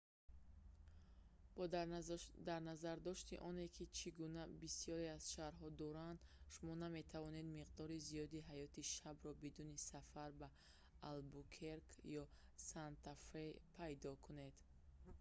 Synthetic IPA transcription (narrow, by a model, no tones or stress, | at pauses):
bɔ | d̪aɾnazaɾd̪ɔʃt̪iʔɔne̞kʰit͡ʃʰiɡunabisijɔɾeaz̥ʃaɾɦɔd̪ɔɾand̪ʃumɔname̞t̪ʰavɔne̞d̪miqd̪ɔɾizijɔd̪iɦajɔt̪ʰiʃabɾɔbid̪unisafaɾbaː | lbukʰeɾkʰjɔ | sant̪afɾepʰajd̪ɔkʰune̞d̪